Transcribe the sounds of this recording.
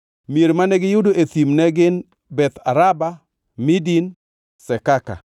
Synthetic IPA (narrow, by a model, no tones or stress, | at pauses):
mieɾmanɛɡɪjʊdoʔet̪imnɛɡɪn | bɛt̪aɾaba | midin | sɛkaka̰